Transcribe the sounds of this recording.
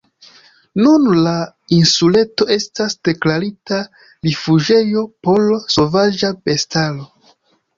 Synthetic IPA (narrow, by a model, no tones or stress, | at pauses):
nunla | insule̞to̞e̞stasd̥e̞klaɾita | ɾifuʒe̞jo̞po̞lso̞vad͡ʒabe̞stalo̞